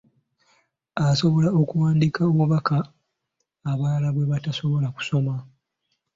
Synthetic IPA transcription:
aso̞βo̞laokuwaːndikaoβuβakaː | βaːlaβwe̞βataso̞βo̞laku̥so̞ma

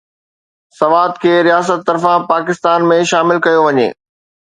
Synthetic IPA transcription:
sɐʋaːd̪kʰeːɾijaːs̬ət̪ːɐɾfãpaːkɪst̪aːnmẽʃaːmɪlkɐjoʋɐɲḛː

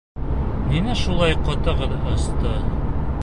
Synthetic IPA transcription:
ninæʃulˠɑjqɒt̪ɤ̆ʁɤðɒst̪ɤ

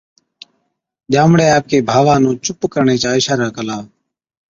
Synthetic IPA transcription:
ɗaːmɽeːaːp̚keːbʱaːʋãːnũːt͡ʃʊpkəɾɳeːt͡ʃaːɪʃaːɾaːkəlaːʋ

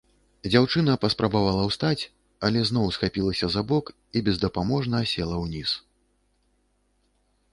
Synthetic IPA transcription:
d͡zʲawt͡ʂɨnɐpɐspɾɐbavalˠɐwst̪at͡sʲ | ɐlʲɛznɔwsxapʲilˠɐsʲɐzabɔk | ibʲɛzd̪ɐpamɔʐnɐsʲɛlˠɐwnʲis

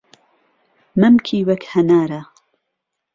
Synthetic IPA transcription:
mɐmkʰiːwɐkhɐnaːɾɐ

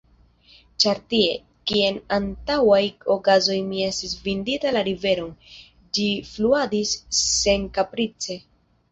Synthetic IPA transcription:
t͡ʃaɾtie̞̰ | kie̞nantawajo̞kazo̞jmie̞stis̬vinditalaɾive̞ɾo̞n | d͡ʒifluadisːe̞ŋkapɾit͡se̞

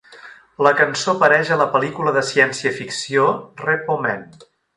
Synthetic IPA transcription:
ləkənsopəɾɛʒələpəlikuləðəsiɛnsiəfiksiorepomɛ̰n

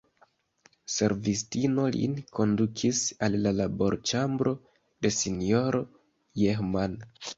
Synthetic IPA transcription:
se̞ɾvistino̞lḭnkʰo̞ndukʰisalːalabo̞ɾt͡ʃambɾo̞ | de̞sinjo̞ɾo̞ | jexman

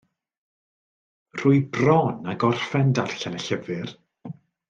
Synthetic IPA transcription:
r̥ʊːɨbrɔnaɡɔrfɛndarɬanəɬəvɨr

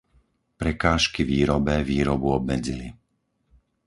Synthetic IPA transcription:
pɾɛkaːʃkiʋiːɾɔbɛviːɾɔbuɔb̚mɛd͡zili

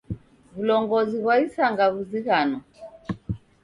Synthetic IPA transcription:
vulɔŋɡɔziɣwaisaŋɡaβuziɣanɔ

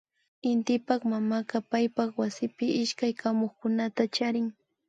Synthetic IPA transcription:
ɪnt̪ɪpɑχmamakɑpajpɑχwasɪpɪʔɪʃkajkʰamoχkʊnat̪at͡ʃaɾɪŋ

